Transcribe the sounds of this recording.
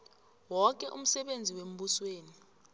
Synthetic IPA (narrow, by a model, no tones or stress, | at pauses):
wɔk̬ʼɛʔum̩sɛɓend͡zʱiwem̩ɓusweːni